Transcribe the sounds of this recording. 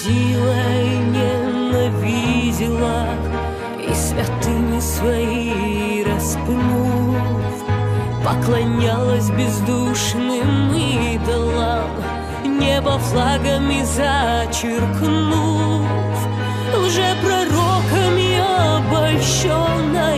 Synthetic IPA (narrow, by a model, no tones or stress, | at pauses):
sʲilˠɐnʲɛnɐvʲidʲɪlˠɐ | ḭsvʲɐt̪ɨmʲɪsvɐi | ɾɐspnufpɐklˠɐnʲalˠəsʲbʲɪzd̪uʂnɨmmɨd̪ɐlˠa | nʲɛbɐflˠaɡəmʲɪzɐt͡ɕɪrknu | f | ʊʐɛpɾɐrokəmʲɪɐɐbɐlʲʂo | nːɐ